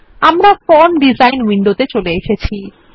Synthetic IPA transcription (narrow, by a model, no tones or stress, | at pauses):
amɾafɔɾmɖid͡ʑajnwiɳɖot̪et͡ɕoleeʃet͡ɕʰi